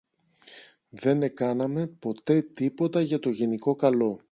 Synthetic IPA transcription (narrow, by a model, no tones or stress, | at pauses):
ðe̞ne̞kɐnɐme̞po̞t̪e̞t̪ipo̞t̪ɐʝɐt̪o̞ʝe̞niko̞kɐlo̞